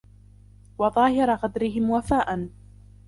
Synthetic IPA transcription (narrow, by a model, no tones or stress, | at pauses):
wɑðˤɑːhɪɾˤɑɣɑd̪ɾɪɦɪmwafaːʔan